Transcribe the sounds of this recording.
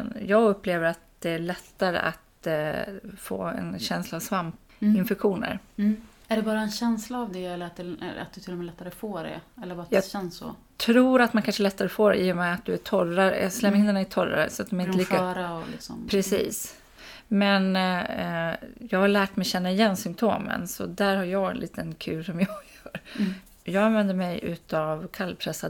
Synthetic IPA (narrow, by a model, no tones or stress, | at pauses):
njɑːɡɵpːleːvəɾat̪̚d̪ɛæɭɛt̪ːaɾə̰ʔa̰t̪ | fo̰ːɛ̰nɕɛnslaːvsvamp̪ | ɪnfɛkɧuːnə̰ɾ | æɖɛbɑːɾaɛnɕɛnslaːvd̪ɛɛlːəɾat̪̚d̪ɛ̰a̰t̪̚d̪ɵt̪ʰɪlːɔmɛlɛt̪ːaɾəfoːɖɛ̰ɛlːəɾbɑːt̪j̪ɑːɛnsːɔ̰ | t̪ʰɾuːɾat̪mankʰanʂəɛlɛt̪ːaɾəfoːɾɛ̰iːʊmɛat̪̚d̪ɵæʈʰɔɾaɾə̰slɛmːɪnd̪ɛnɪt̪ʰɔɾa̰ɾə̰sɔat̪̚d̪ɔmæɾɪnəliːkaːɾaɔlɪ̰ksɔ̰mpʰɾɛsḭːs | mɛn | jɑːɡhaɭæːʈmɛjɕɛnːaɪjɛnːsʏmpt̪ʰoːmə̰nsɔ̰d̪æːɾhaɾjɑːɡɛ̰nlʔiːt̪ənkʰʉ̟ːɾʂɔmjɑːɡjœːɾ | jɑːɡanvɛnd̪əɾmɛjʉ̟ːt̪avkʰalːpʰɾɛsːa